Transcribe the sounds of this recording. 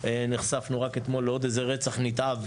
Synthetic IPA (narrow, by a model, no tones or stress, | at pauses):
eniχsafnuʁaket̪mo̞lːeo̞d̪ejzeʁet͡saχnit̪av